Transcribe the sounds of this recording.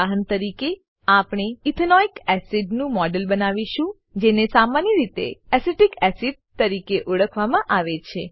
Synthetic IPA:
aɦənt̪əɾike | apɳ̃eit̪ʰənɔikɛsiɖnũmɔɖəlbənaʋiʃũ | d͡ʒenesamanjəɾit̪ḛɛseʈikɛsiɖ̚t̪əɾikeʔoɽəkʰʋamãʔaʋet͡ʃʰe

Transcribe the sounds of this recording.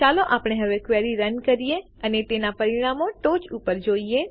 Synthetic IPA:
t͡ʃaloʔapɽ̃eɦəʋekʋeɾiɾənkəɾije | ənet̪enapəɾiɽ̃amoʈot͡ʃupəɾd͡ʒoie

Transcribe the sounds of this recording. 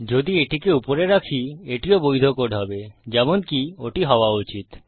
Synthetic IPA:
d͡ʑod̪ieʈikeupoɾeɾakʰieʈiobojd̪ʱokoɖɦɔbed͡ʑɛmonkioʈiɦɔoaut͡ɕit̪

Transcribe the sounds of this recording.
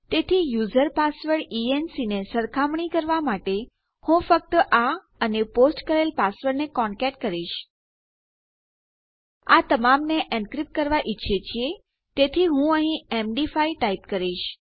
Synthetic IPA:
t̪et̪ʰijuzəɾpasʋəɽiensinesəɾkʰamɳikəɾʋamaʈe | hũfək̚t̪əʔa | əneposʈkəɾelpasʋəɾnekɔɳkɛʈ̚kəɾiʃ | at̪əmamneʔɛ̃nkɾip̚ʈ̚kəɾʋaʔiːʃʰet͡ʃʰie | t̪et̪ʰiɦũəɦĩemɖifaiʈaipkəɾiʃ

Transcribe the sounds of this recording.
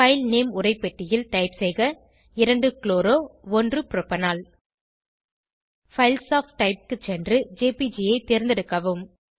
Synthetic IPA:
fɐɪlneːmʊɾɐɪpːɛʈːɪjɪlʈɐɪpsɛɪɣɐ | ɪɾɐɳɖɯkloːɾoːɔndrɯpɪɾɔpːɐnaːl | fɐɪlsaːfʈːɐɪp̚kɯt͡ʃːɛndrɯd͡ʒeːpid͡ʒiɐɪt̪eːɾnd̪ɛɽɯkːɐʋɯm

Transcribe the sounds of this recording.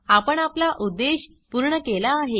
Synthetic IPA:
apəɳaplaʔud̪ːeɕ | puɾɳəkelaːɦe

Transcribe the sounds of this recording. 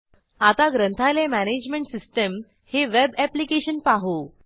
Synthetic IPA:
at̪aɡɾənt̪ʰajlemæned͡ʑmeɳʈsisʈəm | heʋebæplikeɕənpaɦo

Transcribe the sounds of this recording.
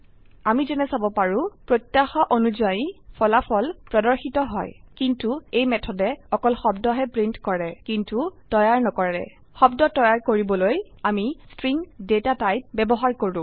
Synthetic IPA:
amizɛnɛsabɔpaɹʊ̃pɹotjaxɔʔonuzajipʰɔlapʰɔlpɹɔdɔɹxitɔɦɔ̰jkintuejmɛtʰɔdɛɔkɔlxɔbdɔɦɛpɹintkɔɹɛkintutɔjaɹnɔkɔɛ̰ | xɔbdɔtɔjaɹkoɹibɔloj | amistɹiŋdetatajt̚bɛbɔɦaɹkoɹʊ̃

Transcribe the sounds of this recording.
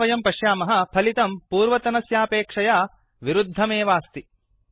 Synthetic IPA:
ɐjɐmpɐʃjaːmɐɦɐ̆pʰɐlit̪ɐmpuːɾʋɐt̪ɐnɐsjaːpeːkʂɐjaː | ʋiɾud̪ʱːɐmeːʋaːst̪i

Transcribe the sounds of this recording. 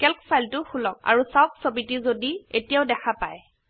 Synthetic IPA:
kɛlkfʰajltʊxulɔk̚a̰ɹusawksobitizodietijaʊdɛxʰapaj

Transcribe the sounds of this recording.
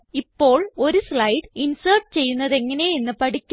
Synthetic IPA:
ipːo̞ːɭo̞ɾusɭɐjɽinsɐːrʈt͡ɕe̞jːunːɐðe̞ŋːɐne̞enːɨpɐɽikʲː

